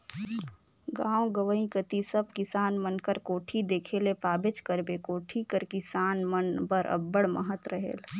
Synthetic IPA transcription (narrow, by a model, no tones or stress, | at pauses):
ɡãːwɡəʋəĩkət̪isəb̚kɪsaːnmənkəɾkoːʈʰid̪eːkʰelepaːbɪt͡ʃkəɾbekoːʈʰikəɾkɪsaːnmənbəɾʔɐ̰bːəɽməɦət̪ɾəɦḛːl